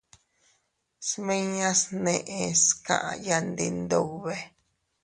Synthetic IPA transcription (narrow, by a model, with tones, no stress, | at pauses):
smẽ˦ɲã˦snẽ˧˨ʔẽ˧skã̰˨ʔã̰˧ja˧nd̪i˧nd̪o˧˨βe˧